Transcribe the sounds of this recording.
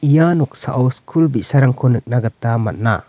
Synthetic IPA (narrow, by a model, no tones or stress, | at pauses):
ijanɔk̚sa̰ʔawskʰulbisaɾaŋkʰɔnɯk̚naɡat̪ːama̰t̚na̰